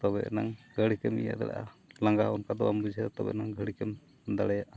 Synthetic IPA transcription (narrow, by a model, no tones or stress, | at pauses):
t̪ɔbɛ̰ʔnaŋɡəɽikɛmḭja̰d̪ɛ̰ɽa̰ʔalaŋɡaɦɔnkad̪ɔambud͡ʒʱɛɾt̪ɔbɛ̰ʔnaŋɡʱəɽikɛm | d̪aɽɛjaʔa